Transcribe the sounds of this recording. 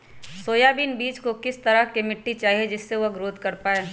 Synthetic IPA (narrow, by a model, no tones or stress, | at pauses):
soːjaːbiːnbiːt͡ʃkokɪst̪ɐɾəkemɪʈːit͡ʃaːɦied͡ʒɪsːeʋoɡɾoːd̪ʱkɐɾpaːeː